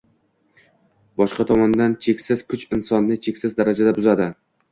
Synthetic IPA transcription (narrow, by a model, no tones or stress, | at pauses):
bɒʃqɑt̪ʰɒmɒnd̪ant͡ʃʰe̞kʲsɪz̥kʰʊt͡ʃɪnsɒnːɪt͡ʃʰe̞kʲsɪzd̪aɾad͡ʒad̪abʊzad̪ɪ